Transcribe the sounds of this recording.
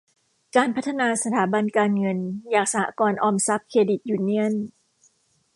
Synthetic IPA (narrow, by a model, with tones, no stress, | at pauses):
kaː˧npʰa˦˥t̪ʰːa˧naː˧sa˧t̪ʰaː˩˦ba˧nkaː˧nŋɤ˧njaː˨˩k̚sa˧ha̰ː˦˧˦kɔː˧nʔɔː˧msa˦˥p̚kʰeː˧di˨˩t̪̚juː˧˩ni˦˥ən